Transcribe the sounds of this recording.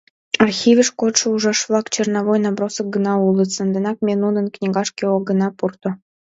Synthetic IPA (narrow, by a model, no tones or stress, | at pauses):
ɑrxʲivʲəʃkot̪ʃə̆uʒɑʃvlˠɑkt͡ɕernɑvojnɑbɾosə̆k̚ɡə̆nɑulˠət̪sə̆nd̪ə̆nɑk̚mʲenunə̆nknʲiɡɑʃkʲeoɡə̆nɑpurt̪o